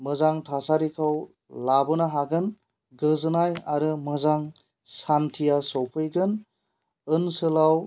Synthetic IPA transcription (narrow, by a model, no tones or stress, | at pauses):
mɯzaŋtʰasaɾikʰaw | labɯnaɦaɡɯn | ɡɯzɯnajaɾɯmɯzaŋ | santʰijasɔwpʰɯjɡɯn | ɯnsɯlaw